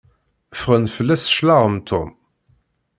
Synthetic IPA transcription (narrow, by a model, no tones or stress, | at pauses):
fʁənfəlːæsʃlaʁəmt̪ʰʊ̰m